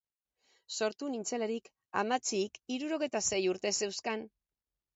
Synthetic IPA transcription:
so̞ɾt̪unint͡se̞laɾik | a̰mat͡sikiɾuɾo̞ɣ̞e̞jt̪ase̞juɾt̪e̞se̞wskan

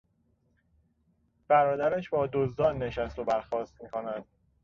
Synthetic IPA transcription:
b̥æɾɒːd̪æɾæʃbɒːd̪ozd̪ɒːnːe̞ʃæst̪obæɾxɒːst̪miːkʰonæd̪̥̚

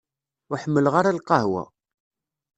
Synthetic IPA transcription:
ʊħəmːəlʁaɾalqɑɦwæ̰

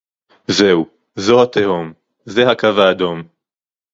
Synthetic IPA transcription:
ze̞u | zohat̪ehom | zeɦakavaːd̪o̞m

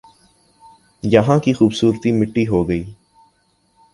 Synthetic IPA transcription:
jɐɦãkixuːbsuːɾt̪imɪʈːiɦoːɡəiː

